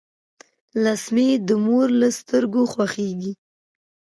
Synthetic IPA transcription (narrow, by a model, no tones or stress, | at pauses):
lasmed̪əmoɾləst̪əɾɡoxwaxeɡi